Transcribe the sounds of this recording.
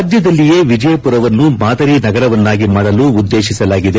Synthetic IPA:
dd͡ʒ̪jɐd̪ɐlːijeːʋid͡ʒɐjɐpuɾɐʋɐnːumaːd̪ɐɾinɐɡɐɾɐʋɐnːaːɡimaːɽɐluːd̪ːe̞ːʃisɐlaːɡid̪e

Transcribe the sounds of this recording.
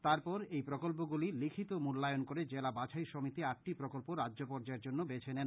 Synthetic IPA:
t̪aɾpɔɾejpɾokolp̬oɡulilikʰit̪omulːajonkoɾed͡ʑelabat͡ɕʰaiʃomit̪iak̚ʈipɾokolpoɾadʑopɔɾd͡ʑaeɾd͡ʑonːobet͡ɕʰenen

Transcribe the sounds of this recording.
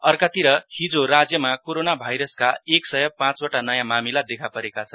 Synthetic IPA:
ʌrkat̪iɾʌhid͡zoɾad͡zjʌmakoɾonabʱajɾʌskaeksʌjʌpãt͡soʈanʌjãmamilad̪ekʰapʌɾekat͡sʰʌn

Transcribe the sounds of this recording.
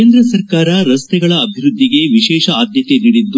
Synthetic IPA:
eːnd̪ɾɐsɐɾkaːɾɐɾɐst̪ɛɡɐɭɐːbʱiɾud̪ʱːiɡe̞ʋiʃɛːʃɐaːd̪jɐt̪eniːɽid̪ːu

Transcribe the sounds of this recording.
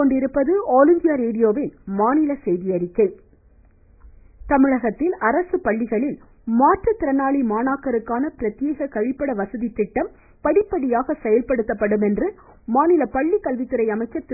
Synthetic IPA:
koɳɖɪɾɯpːɐðɯoːlɪnd̪ɪjɐɾeːɽɪjoːʋɪnmaːnɪlɐsɛjðɪjɐɾɪkːɐɪ | t̪ɐmɪɻɐɣɐt̪ːɪlɐɾɐsɯpɐɭːɪɣɐɭɪl | maːʈrɐt̪ːɪɾɐnaːɭimaːnaːkːɐɾɯkːaːnɐpɪɾɐt̪jeːɣɐkɐɻɪpːɐɽɐʋɐsɐðit̪ːɪʈːɐm | pɐɽɪpːɐɽɪjaːɣɐsɛjɐlpɐɽɯt̪ːɐpːɐɽɯmɛndrɯ | maːnɪlɐpɐɭːikːɐlʋɪt̪ːɯɾɐɪɐmɐɪt͡ʃːɐt̪ː

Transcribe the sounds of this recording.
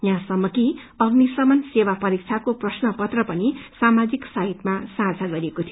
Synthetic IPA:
jãsʌmːʌki | ʌbnisʌmʌnsewapʌɾik̚t͡ʃʰakoprʌsnʌpʌt̪rʌpʌnisamad͡ziksaɦit̪masãt͡sʰaɡʌɾiekot̪ʰijo

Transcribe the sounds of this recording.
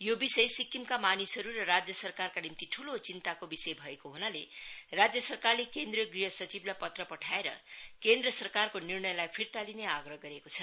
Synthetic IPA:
jobisʌjsikːimkamanisɦʌɾuɾʌrad͡zjʌsʌrkarkanimt̪iʈʰulot͡sint̪akobisʌjbʱʌekoɦunalerad͡zjʌsʌrkarlekend̪riʌɡriɦʌsʌt͡siblajpʌt̪rʌpʌʈʰaeɾʌ̰kend̪rʌsʌrkarkonirɳʌjlajpʰirt̪alineaɡrʌɦʌɡʌɾekot͡sʰʌ

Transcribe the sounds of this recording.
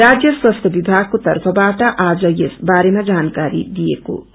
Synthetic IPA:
rad͡zjʌswʌst̪ʰjʌbibʱaɡ̚kot̪ʌrpʰʌbaʈʌʔad͡zʌjesbaɾemad͡zankaɾḭd̪ijeko̰

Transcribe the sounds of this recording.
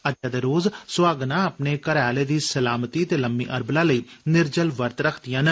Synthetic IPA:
əd͡ʒaːd̪eːɾoːzsʊaːɡnãːəpneːkəɾaːleːd̪iːsəlaːmt̪iːət̪eːləmːḭːʔəɾblaːləiːnɪɾd͡ʒəlʋəɾt̪ɾəkʰd̪ijãːn

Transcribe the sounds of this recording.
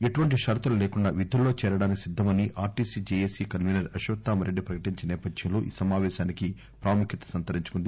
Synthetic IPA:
eʈuʋɐɳʈiʃɐɾt̪ulɐleːkuɳɖaːʋid̪ʱulːo̞ːt͡ʃɛːɾɐɽaːnikisid̪ʱːɐmɐniʔʔaːɾʈiːsid͡ʒeːjeːsiːkɐnmiːnɐɾɐʃʋɐt̪ːaːmɐɾeɖːipɾɐkɐʈiɲt͡ʃinɛːpɐd̪ʱjɐmnlo̞ːʔḭːsɐmaːʋɛːʃaːniki | pɾaːmukʰjit̪ɐ̥sɐnt̪ɐɾiɲt͡ʃu̥kund̪i

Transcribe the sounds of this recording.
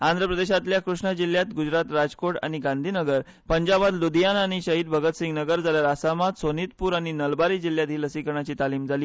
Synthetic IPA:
ãnd̪ɾəpɾəd̪eɕat̪ljakɾuʂɳəd͡ʑil̤jat̪ɡud͡zɾat̪ɾad͡zkoʈa̰ɽ̃iɡãnd̪ʱiːnəɡəɾ | pəɲd͡ʑabat̪lud̪ijanaɽ̃iɕəɦiːd̪̚bʱəɡət̪sĩŋɡnəɡəɾd͡zaljaɾasamat̪sonit̪puːɾaɽ̃inəlbaɾiːd͡ʑiljat̪ɦiːləsikəɾɳat͡ɕiːt̪aliːmd͡zʱaliː

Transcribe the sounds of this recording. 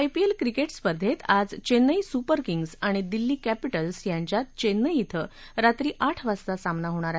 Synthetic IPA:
ajpielkɾikeʈspəɾd̪ʱet̪ad͡zt͡ɕenːəisupəɾkiŋɡsaɽ̃id̪ilːiːkæpiʈəlsjãɲt͡ɕjat̪̚t͡ɕenːəjit̪ʰə | ɾat̪ɾiːʔaʈʰʋast̪asamnaɦoɽ̃aɾae

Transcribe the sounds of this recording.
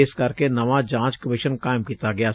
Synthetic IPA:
skɐɾkenɐʋad͡ʒãːt͡ʃkəmɪʃənkaːɪmkiːt̪aɡɪja

